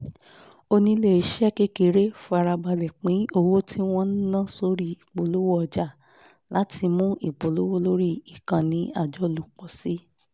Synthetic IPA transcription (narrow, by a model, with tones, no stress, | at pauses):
o˧nĩ˧le˦˨i˨˦ʃɛ˦ke˦ke˨ɾe˦fo˦a˧ɾa˧ba˧lɛ˨k͡pĩ˨˦o˧wo˦tʰi˦w̃ɔ̃˦n̩˦nãː˦˨˦so˧˦ɾi˦˧i˨k͡po˨lo˦wo˦ɔ˧d͡ʒa˦˨ | la˨˦ti˧mũ˦ʔi˦˨k͡po˨lo˦wo˦lo˦ɾi˦˨i˨kã˨nĩ˨˦a˦˨d͡ʒɔ˨˦lu˨k͡pɔ˨si˦